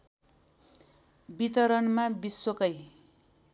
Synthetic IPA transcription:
bit̪ʌɾʌnmabiswʌkʌj

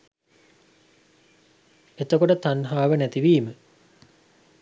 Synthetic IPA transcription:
et̪əkoʈət̪anɦaːʋənæt̪iʋiːmə

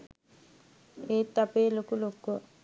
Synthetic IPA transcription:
eːt̪ːapeːlokulokuʋə

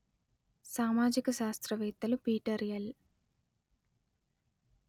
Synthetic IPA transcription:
saːmaːd͡ʒikɐʃaːst̪ɾɐʋɛːt̪ːɐlupiːʈɐɾijɐl

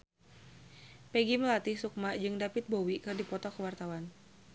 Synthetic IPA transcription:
pɛɡiməlat̪ɪhsuk̚mad͡ʒɨŋdapɪt̪̚bowikɨrdipɔt̪ɔkəwart̪awan

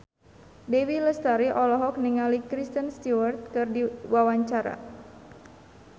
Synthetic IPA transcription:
dewiləst̪aɾiʔɔlɔɦɔk̚niŋalikɾist̪ənst̪iwərt̪̚kɨrdiwawaɲt͡ʃaɾa̰

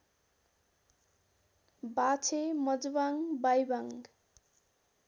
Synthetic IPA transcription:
bat͡sʰemʌd͡zbaŋbajbaŋ

